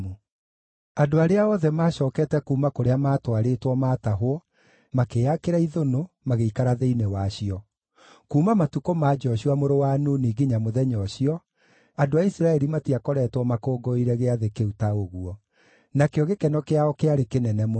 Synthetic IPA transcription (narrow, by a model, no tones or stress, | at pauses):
u | adoaɾeaɔðɛmaːɕɔːkɛtɛkuːmakoɾeamaːtwaɾetwɔmaːtaɦoɔ | makeakeɾaiðono | maɣeikaɾaðeinewaɕiɔ | kuːmamatukomad͡ʒɔɕuamoɾowanoniɣiɲamoðɛɲɔɕiɔ | adoaisɾaɛɾimatiakɔɾɛtwɔmakoːɡɔiɾɛɣeaðekeutaoɣuɔ | nakeɔɣekɛnɔkeaɔkeaɾekenɛnɛm